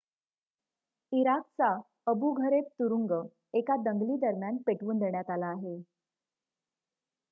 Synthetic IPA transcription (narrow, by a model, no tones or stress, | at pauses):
iɾak̚t͡sa | əbuɡʱəɾet̪ːuɾuŋɡə | ekad̪əŋɡliːd̪əɾmjanpeʈʋund̪ɳjat̪alaːɦe